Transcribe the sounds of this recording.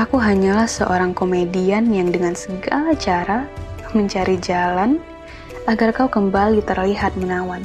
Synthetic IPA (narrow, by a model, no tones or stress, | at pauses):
ʔakuɦaɲalahsə̰ʔoɾaŋkomedianjaŋdəŋansəɡalat͡ʃaɾaməɲt͡ʃaɾid͡ʒalan | aɡarkaukəmbalit̪ərliɦat̪̚mənawan